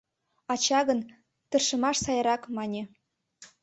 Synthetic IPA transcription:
ɑt͡ɕɑɣə̆n | t̪ɤ̆rʃə̆mɑʃsɑjɤɾɑkmɑnʲĕ

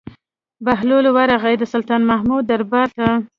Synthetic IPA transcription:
baɦlolowaɾaɣajd̪əsʊlt̪ɑnmahmud̪ːaɾbɑɾt̪a

